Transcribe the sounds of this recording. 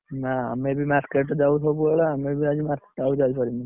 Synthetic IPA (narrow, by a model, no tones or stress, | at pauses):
naa̰mebʱimaɾkeʈd͡ʒaut̪ʰopueɭaamebiad͡ʒimaɾke̥ʈaud͡ʒalipɔɾini